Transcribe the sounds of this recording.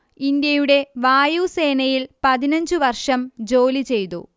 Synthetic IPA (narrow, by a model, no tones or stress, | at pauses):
ind̪jɐjuɽe̞ʋaːjuse̞ːnɐjilpɐðinɐɲd͡ʑɨʋɐrʂɐmd͡ʑo̞ːlit͡ɕe̞jt̪ṵ